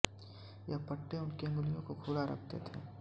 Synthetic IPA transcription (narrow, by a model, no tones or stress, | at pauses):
jɐpɐʈːeʊnkemʊlijõkokʰuːlaɾɐ̰k̚ʰt̪ḛt̪ʰḛː